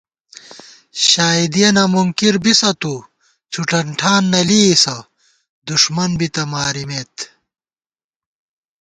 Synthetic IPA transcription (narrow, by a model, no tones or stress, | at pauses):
ɕaːid̪ijɐnɐmuŋkiɾbisɐt̪u | t͡ɕʰuʈɐɳʈʰaːnːɐlisɐ | d̪uʂmɐnbit̪ɐmaːɾimeːt̪